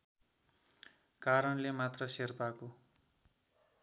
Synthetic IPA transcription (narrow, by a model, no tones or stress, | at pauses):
kaɾʌnlemat̪rʌserpako